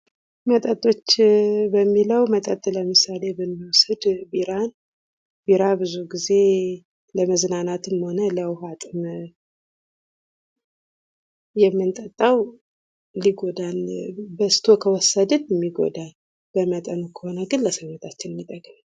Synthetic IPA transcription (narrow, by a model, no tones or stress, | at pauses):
mət̪ʼət̪ʼo̞t͡ʃːbəmːiləwmət̪ʼət̪ʼːləmɨsale̞bɨmːiwsəd̪biɾan | biɾabɨzuɡize̞ | ləməznanat̪ɨmho̞nələwɦat̪ʼɨm | jɛmːɨnt̪ʼət̪ʼːawː | iɡo̞d̪albəst̪ʰo̞kʰəwɔsːəd̪ɨnjɛmːiɡo̰d̪al | b̥əmət̪ʼənukʰəho̞nəɡɨnləsənot̪ʰat͡ʃːɪnmit̪ʼəkʼːm